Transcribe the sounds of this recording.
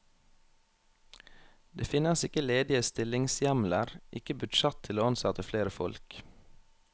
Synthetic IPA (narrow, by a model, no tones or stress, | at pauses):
d̪eːfɪnəsɪkəleːd̪ɪəst̪ɪlɪŋsjæmləɾʔɪkəbʉdʃɛt̪ʰɪloːɑnsɑt̪əfleːɾəfɔ̰lk